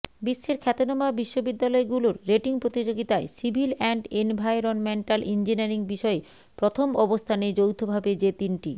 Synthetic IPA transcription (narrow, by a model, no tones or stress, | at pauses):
biʃːeɾkʰɛt̪onomabiʃːobid̪ːalɔeɡuloɾːeʈiŋpɾot̪id͡ʑoɡit̪aesibʱilɛɳɖenbʱajɾonmeɳʈalʔind͡ʑinaɾiŋbiʃɔe | pɾot̪ʰomɔbost̪ʰaned͡ʑowt̪ʰobʱabed͡ʑet̪inʈḭ